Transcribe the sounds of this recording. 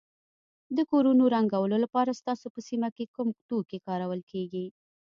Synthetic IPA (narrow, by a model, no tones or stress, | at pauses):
d̪əkoɾunoɾaŋɡawəlolapɑɾast̪ɑsopəsimakekumkt̪ukekɑɾawəlkʰeɡi